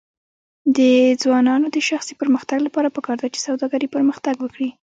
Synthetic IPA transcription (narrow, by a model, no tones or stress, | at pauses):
d̪əd͡zwɑnɑnod̪əʃaxsipəɾməxt̪aɡlapɑɾapəkɑɾd̪at͡ʃe̥sawd̪ɑɡaɾipəɾməxt̪aɡwəkɽi